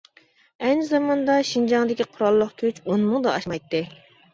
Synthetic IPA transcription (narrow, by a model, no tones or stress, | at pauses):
ɛnzɑmɑnd̪ɑʃind͡ʒɑŋd̪ɪkʲiqʰʊɾɑlˠːəqkʲʰyt͡ʃonmʊŋd̪ɑɑʃmɑjt̪ːɨ